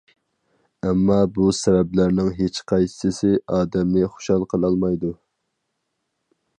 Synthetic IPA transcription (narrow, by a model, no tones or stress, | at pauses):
ɛmːɑbusɛvɛblæɾnɪŋɦet͡ʃqʰɑjssɪsɪɑːd̪ɛmnɪχo̥ʃɑlˠqʰəlˠɑlˠmɑjd̪u